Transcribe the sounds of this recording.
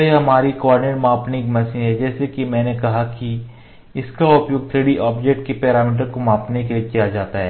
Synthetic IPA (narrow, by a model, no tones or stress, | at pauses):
eɦɐmaːɾikɔːɾɖɪneːʈmãːpnĩkmɐsĩɦɛd͡ʒɛːsekimɛ̃ːnekɐɦaki | ɪskaʊpjoɡ̚t̪ʰɾeːɽiʔaːpd͡ʒek̚ʈ̚kepɛːɾaːmiːʈ̬əɾkomãːpnekeliekijad͡ʒaːt̪aɦɛː